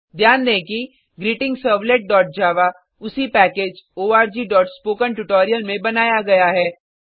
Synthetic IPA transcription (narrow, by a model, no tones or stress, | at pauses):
d̪ʱjaːnd̪ẽːki | ɡɾiːʈɪ̃ŋɡsəːɾʋleːʈ̚ɖɔːʈ̚d͡ʒaːʋa | ʊsipɛːkeːd͡ʒoːaːɾd͡ʒiːɖɔːʈspoːkə̃nʈʊʈɔːɾijəlmẽbɐnaːjaɡɐjaɦɛː